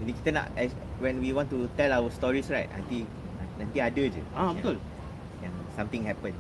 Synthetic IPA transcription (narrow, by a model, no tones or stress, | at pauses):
ɛ̃nĩkit̪əna̰ʔɛs | wɛ̃nwiwɔ̃ntut̪ɛlawəstɔɹisɹajt̚ã̰nt̪ĩ | ãnt̪ĩadəd͡ʒṵabit̪ul | jãŋsãmt̪ĩŋɦɛpə̃n